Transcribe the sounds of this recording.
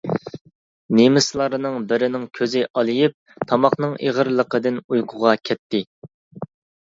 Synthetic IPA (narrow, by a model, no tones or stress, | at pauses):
nemɪslˠɑɾɨnɨŋbɪɾɪnɪŋkʲʰøzɪʔɑlˠɨjip̚t̪ʰɑmɑχnɨŋʔḛʁəɾlˠəqəd̪ɪnujqʰʊʁɑkʲʰɛt̪ʰːɪ